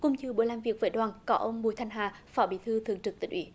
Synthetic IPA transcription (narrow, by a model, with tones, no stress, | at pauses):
kʊ̰˧˩ŋ͡mt͡ɕɨ˧ɓu˧˩˦jlaː˨˩mvi˨ək̚vəː˨˦jɗwaː˨˩nkɔ˨˦ʔə˧wŋ͡mɓu˧˨jt̪ʰŋɦaː˨˩fɔ˨˦ɓḭ˧˩t̪ʰɨ˧t̪ʰɨ˨əŋt͡ɕɨ˨˩k̚t̪ï˨˧˦ŋ̟ʔwḭ˨˦